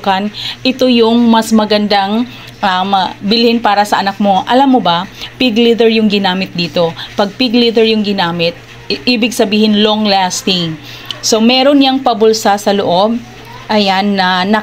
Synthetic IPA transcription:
kɐnʔɪt̪o̞jʊŋmɐsmɐɡɐnd̪aŋ | ʔɐmbɪlɪhɪnpaːɾɐsɐʔɐnɐk̚mo̞ʔɐlamːobɐpɪɡlid̪ɛɹjʊŋɡɪnaːmɪt̪̚d̪iːt̪o̞pɐɡ̚pɪɡlid̪ɛɹjʊŋɡɪnaːmɪt̪̚ | ʔiːbɪɡ̚sɐbiːhɪnlo̞ŋlast̪ɪŋ | so̞mɛːɾo̞njaŋpɐbʊlsasɐloʔo̞b̚ | ʔɐjanːɐnɐ

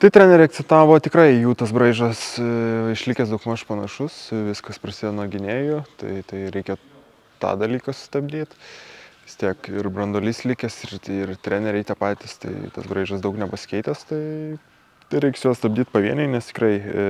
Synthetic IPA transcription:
t̪ɐɪt̪ʲɾʲæːnʲɛɾʲɛɪɐkt̪t͡sʲɛnt̪ɑːʋoːt̪ʲɪkɾɐɪjuːt̪ɐsbɾɐɪʒɐsɪʃʲlʲɪkʲɛsd̪okmɐʃpɐnɐʃʊsʋʲɪskɐspɾɐsʲid̪ʲɛnuɔɡʲɪnʲeːjʊt̪ɐ̰ɪt̪ɐɪɾʲɛɪkʲɛ | t̪ɑ̰ːd̪ɐlʲiːkɑsʊ̥st̪ɐbʲd̪ʲiːt̪ʋʲɪst̪ʲiɛkɪrbɾɐnd̪oːlʲiːsʲlʲɪkʲɛsɪrɪrt̪ʲɾʲæːnʲɛɾʲɛɪt̪ʲiɛpɑːt̪ʲiːst̪ɐ̰ɪ̰t̪ɐ̰sbɾɐɪʒɐsd̪ɐʊknʲɛpɐsʲɪ̥kʲɛɪt̪ʲɛst̪ɐɪ | t̪ɐɪɾʲɛɪksjuːst̪ɐb̚ʲd̪ʲiːt̪̚pɐʋʲiɛnʲɛɪnʲɛst̪ʲɪ̥kɾɐɪ

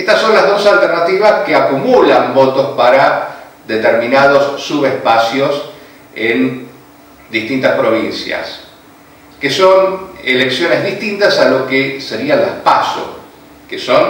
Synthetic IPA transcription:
est̪asːo̞nlazðo̞salt̪eɾnat̪iβaskeakumulambo̞t̪ospaɾa | d̪et̪eɾmĩnað̞osːuβespasjos | en | d̪ist̪int̪aspɾo̞β̞insja̰s | keso̞neleksjo̞nezðist̪int̪asalokeseɾialahpa̰so̰ | keso̞n

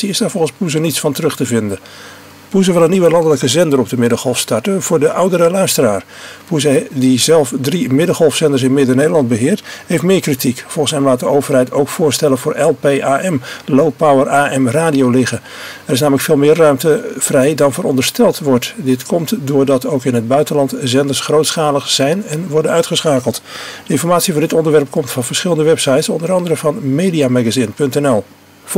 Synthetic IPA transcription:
iɪsdaːɹvɔlˠχənspuzənitsfɑntərɵχtəvɪndə | puzəʋɪlˠənːiʋəlɑndələkəzɛndərɔp̚dəmɪdəχhɔlˠfstɑɹtəv̥ʊːɹdəʔawdəɾəlœɥstəraːɹ | puzədizɛlˠfdrimɪdəlˠhɔlˠfsɛndəɹs̬ɪnmɪdənejdəlɑnd̚bəɦɪːɹthejftmɪːɹkritikfɔlˠχən̩sɦɛmlaːt̚dəowvərɦɛjtowkfʊːɹstɛlənvʊːɹʔɛlˠpeːʔaːʔɛmlowpawəraːʔɛmraːdijowlɪχə | ɛrɪs̬naːmələkfɪːlˠmɪːrːœɥmtəv̥rɛjdɑnvʊːɾɔndəɹstɛlˠtʋɔɹtdɪtkʰɔmtdʊːɹdɑtowkɪnɦəd̚bœɥtənlɑntzɛndəsχrowtsχaːləχsɛjnɛnʋɔɹdənœɥtχəsχaːkəlˠtd̥əɪ̃nfɔɹmaːtsivoːɹdɪtɔndəɹʋɛɹp̚kɔmtfɑnvəɹsχɪləndəʋɛpsɑjtsɔndəɾɑndərəvɑnmejdiamaɡazɪnpɵntɛnɛlˠ

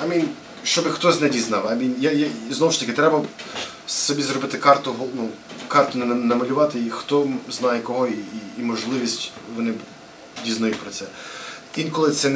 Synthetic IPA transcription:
ɐmʲin | ʃt͡ʃɔbɪxt̪ɔzʲnɛdʲiznɑwɐmʲinʲjajaznɔwʊʃt̪ɐkɪt̪ɾɛbɐ | sɔbʲizɾɔbɪt̪ɪkɑrt̪ʊɦɔnukɑrt̪ʊnnɐmɐlʲʊʋɑt̪ɪixt̪ɔznɑjɛkɔɦɔiːmɔʒlˠɪʋʲisʲtʲʋɔnɪ | dʲiznɐjutʲpɾɔt̪sɛinkɔlˠɪt̪sɛn

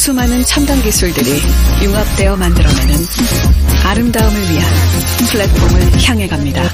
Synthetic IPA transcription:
sʰumɦanɯnt͡ɕʰandaŋɡisʰuɭdɯɾijuŋap̚t͈e̞jʌmandɯɾʌmjʌnɯn | aɾɯmdaɯmɯɭɥiɦa̰n | pʰɯɭːek̚p͈ʰomɯɭçjaŋɦe̞ɡamɲida

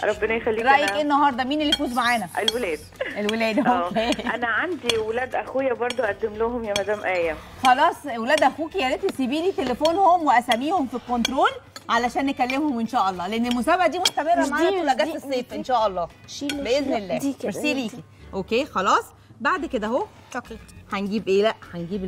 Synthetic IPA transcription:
ɾˤɑbːenæjexælːiɾˤɑʔjekʔenːɑhɑɾˤd̪ˤɑmiːnelːifuːzmaʕaːnæelwelæːd̪ʔelwelæːd̪okeːʔænæʕand̪iwelæːd̪ʔæxejːæbɑɾˤd̪ˤoʔæd̪ːemlohomjæmæd̪æːmʔæjæ | xɑlɑːsˤwelæːd̪ʔæxuːkijælet̪ːesibiːliːt̪elefoːnhomweʔæsæmːiːhomfikːont̪ɾoːlʕalæʃæːnːekælːemhomʔenʃæːʔɑlˤːɑːleʔenːelmosæːbaʕad̪iːmost̪æmerˤːæmaʕæwelæːɡæːt̪esˤːeːfʔenʃæːʔɑlˤːɑːbeʔeznelːæːɾsiːliːki | ʔokeːxɑlɑːsˤ | baʕd̪ked̪æɦo | kħænɡiːbʔeːlæʔħænɡiːb

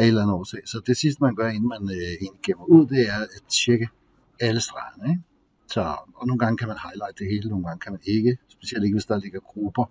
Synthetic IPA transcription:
ed̥lænð̩ˠɒseːsɒ̽d̥e̝sisd̥əmænɡ̥ɶɐe̝nn̩mænøenɡ̥emɐuð̰ˠd̥e̝æɐæd̥t͡ɕʰeɡ̥ə | æləsd̥ʁɑ̈ɐnəe | sɒɒno̝ːn̩ɡɑ̈ŋəkʰæmænhɑ̈ɪlɑ̈ɪ̰d̥d̥e̝he̝ːləno̝ːn̩ɡ̥ɑ̈ŋəkʰæmæne̝ɡ̥əsb̥e̝̥siel̰de̝ɡ̥əʋe̝sd̥ɑle̝ɡ̥ɐɡ̥ʁub̥ɐ

